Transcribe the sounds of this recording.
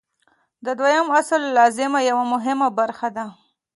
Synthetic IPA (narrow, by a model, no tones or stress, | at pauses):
d̪əd̪wajamaslːɑzɪmajawamʊɦɪmabaɾxad̪a